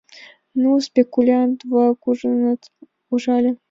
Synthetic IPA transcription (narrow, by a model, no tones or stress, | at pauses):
nuspʲekulʲant̪vɑkuʐənət̪ | uʐɑlʲə̆